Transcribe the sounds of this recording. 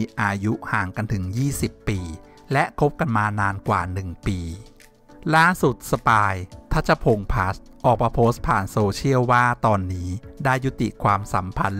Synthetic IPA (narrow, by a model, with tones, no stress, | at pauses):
ʔaː˧ju˦˥haː˨˩ŋka˧nt̪ʰɯ˩˦ŋjiː˥˩si˨˩pːiː˧ | lɛ˦˥ʔkʰo˦˥p̚ka˧nmaː˧naː˧nkwa̰ː˨˩nɯ˨˩ŋpiː˧ | laː˥˩su˨˩t̪̚sa˧paː˧jt̪ʰa˦˥˩t͡ɕʰːa˧˩pʰo˧ŋpʰaː˦˥st̪̚ | ʔɔː˨˩k̚maː˧pʰoː˦˥st̪̚pʰaː˨˩nsoː˧t͡ɕʰi˥˩əwwaː˥˩t̪ɔː˧nːiː˦˥daː˥˩jːu˦˥t̪ḭ˨˩kʰwaː˧msa̰˩˦mpʰa̰˧n